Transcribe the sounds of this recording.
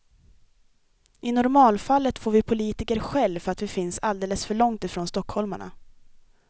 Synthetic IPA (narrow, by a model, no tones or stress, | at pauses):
ʔɪnʊɾmɑːlfalːət̪foːɾvɪpʰʊliːt̪ɪkəɾɧɛlvfœɾat̪vɪfɪnsald̪eːləsfœɭɔŋt̪ɪfɾoːnst̪ɔkhɔlma̰ɳa̰